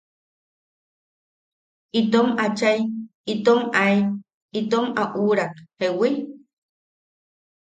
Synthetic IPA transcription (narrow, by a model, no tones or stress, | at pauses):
it̪omat͡ʃajit̪omai | it̪omaʔuɾakhewi